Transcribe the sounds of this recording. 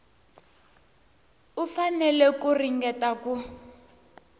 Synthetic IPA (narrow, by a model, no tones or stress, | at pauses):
ufanɛlɛkuriŋɡɛtaku